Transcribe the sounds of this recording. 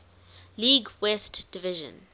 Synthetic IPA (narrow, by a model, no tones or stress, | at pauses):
liːɡwɛstd̥ɪvɪʒə̰̃n